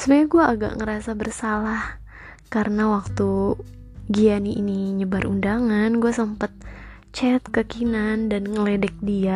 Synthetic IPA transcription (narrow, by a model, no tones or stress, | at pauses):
sənaɲaɡuaʔːɡa̰ʔŋəɾasabərsalah | kaɾənawak̚t̪u | ɡianiʔiniɲəbaɾundaŋanɡuasəmpat̪̚ | t͡ʃɛt̪̚kəkinandanŋəledɛk̚dia